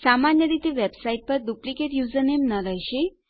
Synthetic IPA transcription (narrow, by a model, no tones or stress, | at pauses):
samanjəd̪it̪eʋebsaiʈ̚pəɾd̪uplikeʈjud͡zənemnəɾajɕe